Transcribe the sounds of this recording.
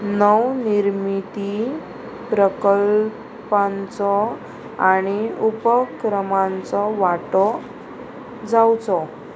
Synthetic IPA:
nəwniɾmit̪i | pɾəkəl | pãnt͡sɔ | aɽ̃iupəkɾəmãnt͡sɔʋaʈɔ | d͡zawt͡sɔ

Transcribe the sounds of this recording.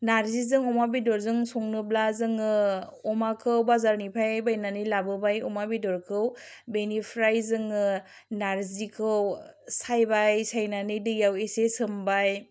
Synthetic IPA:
naɾzizɯŋɔmabidɔɾzɯŋsoŋnɯblazɯŋɯɔmakʰɯwbazaɾnipʰajbajnanɯlabɯbajɔmabidɔɾkʰɯwbenipʰɾajzɯŋɯ | naɾzikʰɯwsajbajsajnanɯdɯjawesesɯmbaj

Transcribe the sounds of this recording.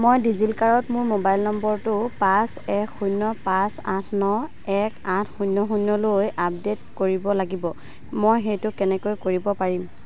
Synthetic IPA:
mojdizilkaɹɔtmʊɹmobajlnɔmbɔɹtʊpãsɛkxunːɔpãsã̰tʰnɔ | ɛkãtʰxunːɔxunːɔlojap̚detkoɹibɔlaɡibɔ | mojxejtʊkɛnɛkojkoɹibɔpaɹim

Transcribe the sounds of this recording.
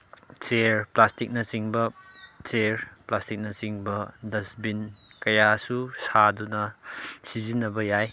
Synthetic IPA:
t͡ʃeɾplastik̚nɐsiŋbɐt͡ʃeɾplastik̚nɐsiŋbɐdɐsbin | kɐjasusadunɐsizinɐbɐjaj

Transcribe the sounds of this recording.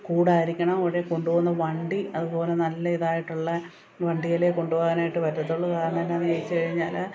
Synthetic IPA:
kuːɽaːiɾikʲːɐɳɐmɐʋɽeko̞ɳɖuʋoːnːɐʋɐɳɖiɐðubo̞ːle̞nɐlːɐiðaːjiʈːuɭːɐ | ʋɐɳɖijɐleko̞ɳɖuʋoːɣɐnaːjiʈːɨʋɐɾɾɐt̪ːoɭːɐkaːɾɐɳɐt̪ɐnːeɐnijɐjit͡ɕːɨkɐɻiɲːaːl

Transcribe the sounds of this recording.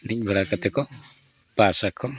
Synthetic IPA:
nic̚ˀbʱɔɾakat̪ɛkɔpasakʰɔ

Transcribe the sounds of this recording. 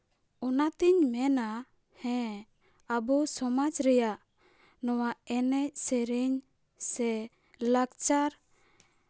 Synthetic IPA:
ɔnat̪iɲmɛna | hɛ̃ | abusɔmad͡ʒɾɛjaʔ | nɔwaɛnɛc̚sɛɾiɲ | sɛ | lakt͡ʃaɾ

